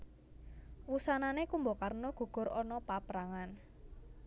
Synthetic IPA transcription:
wusananekumbɔkarnɔɡ̥ṳɡ̥ʊ̤ɾɔnɔpapɾaŋan

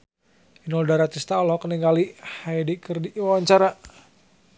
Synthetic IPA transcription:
inɔldaɾat̪ist̪aɔlhɔkəniŋɡalihajdikərdiʔwawaɲt͡ʃaɾa

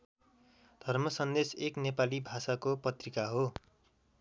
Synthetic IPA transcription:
d̪ʱʌrmʌsʌnd̪eseknepalibʱasakopʌt̪rikaɦo

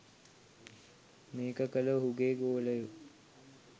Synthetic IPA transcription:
meːkəkələɦuɡeːɡoːləju

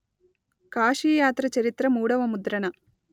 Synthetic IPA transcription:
kaːʂiːjaːt̪ɾɐt͡ʃɐɾit̪ɾɐmuːɽɐʋɐmud̪ɾɐɳɐ

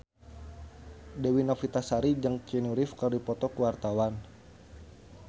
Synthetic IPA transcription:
dɛwinafit̪asaɾid͡ʒəŋt͡ʃɛnuɾifkərdipɔt̪ɔkuwart̪awan

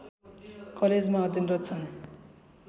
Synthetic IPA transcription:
kʌled͡zmaʌd̪jinrʌt̪t͡sʰʌn

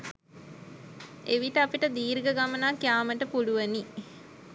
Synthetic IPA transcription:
eʋiʈəapiʈəd̪iːɾɡəɡamənakjaːməʈəpuluʋəni

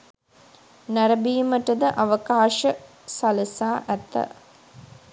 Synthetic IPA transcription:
næɾɐbiːməʈəd̪əʔaʋɐkaːʃə | sɐləsaːʔæt̪ːə̰

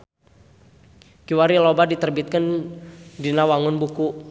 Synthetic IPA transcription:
kiwaɾilɔbadit̪ərbit̪̚kən | dinawaŋʊnbuku

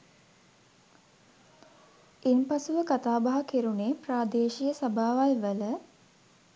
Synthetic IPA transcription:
impasuʋəkat̪aːbaɦakeɾuneːpraːd̪eːʃijəsabʱaːʋalʋələ

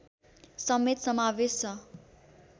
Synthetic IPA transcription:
sʌmet̪sʌmawest͡sʌ

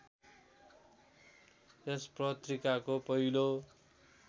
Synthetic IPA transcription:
esprʌt̪rikakopʌɦilo

